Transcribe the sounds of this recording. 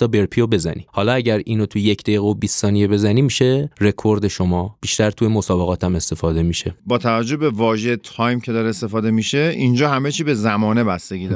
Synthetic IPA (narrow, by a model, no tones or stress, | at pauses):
ɒːbe̞ɾpʰijobe̞zæ̰nḭhɒːlɒæɟæɾiːnot̪ʰuje̞cʰd̪ejiɣeobiːsːɒːnije̞be̞zæniːmiːʃe̞re̞kʰo̞ɾd̪e̞ʃomɒːb̥iʃt̪æɾt̪ʰujemosɒːbe̞ɣɒːt̪ʰæme̞st̪e̞fɒːd̪e̞miʃe̞bɒːt̪ʰævæd͡ʒːo̞hbe̞vɒːʒet̪ʰɒːjmcʰe̞d̪ɒːɾeːst̪e̞fɒːd̪e̞miʃe̞ind͡ʒɒːhæme̞t͡ʃʰiːbe̞zæmɒːne̞bæst̪e̞ɡiːd̪